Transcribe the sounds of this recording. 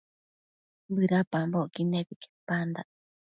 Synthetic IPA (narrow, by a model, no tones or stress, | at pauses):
bɨɾapamboʔkineβike̥pand̪a